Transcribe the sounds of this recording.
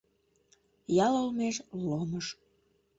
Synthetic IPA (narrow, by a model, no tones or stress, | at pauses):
jɑlolmeʃloməʃ